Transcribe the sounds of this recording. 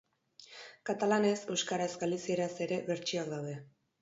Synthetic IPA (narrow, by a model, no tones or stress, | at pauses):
kat̪alane̞se̞wskaɾaesɡalisieɾase̞ɾe̞βe̞ɾt͡ʃiakd̪awðe̞